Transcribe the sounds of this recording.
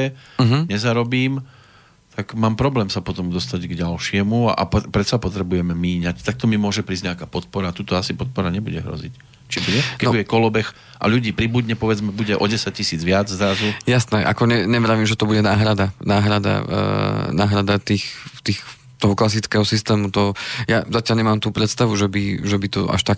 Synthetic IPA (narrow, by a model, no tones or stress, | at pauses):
ɛɦ̩ɲɛzaɾɔbiːm | t̪aɡmaːmpɾɔblɛːmsapɔt̪ɔmd̪ɔst̪aɟɡɟalʃɪɛmuaʔa̰ppɾɛt̪sapɔt̪ɾɛbujɛmɛmiːɲact̪ak̚t̪ɔmimʊɔʒɛpɾiːzɟɲɛakaːpɔt̪̚pɔɾaːt̪uːt̪ɔasipɔt̪̚pɔɾaɲɛbuɟɛɦɾɔ̰zic | t͡ʃibuɟɛkɛɟbuɟɛkɔlɔbɛx | ʔa̰ʎuɟiːpɾibud̪ɲɛpɔʋɛd͡zmɛbuɟɛʔɔɟɛsac̚cisiːd͡zʋɪad͡zzɾazujasnɛʔa̰kɔɲɛɲɛmɾaʋiːmʒɛt̪ɔbuɟɛnaːɦɾad̪anaːɦɾad̪a̰ | naːɦɾad̪at̪iːxt̪iːx | t̪ɔɦɔklas̬itt͡skɛːɦɔsist̪ɛːmut̪ɔjazacɪaʎɲɛmaːmt̪uːpɾɛt̪st̪aʋuʒɛbiʒɛbit̪ɔʔa̰ʃt̪ak